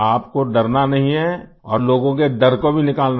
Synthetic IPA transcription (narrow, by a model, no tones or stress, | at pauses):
aːpkoɖɐɾnanɐɦĩɦɛ | ɔːɾloːɡõked̪ɐɾkobʱinɪkaːln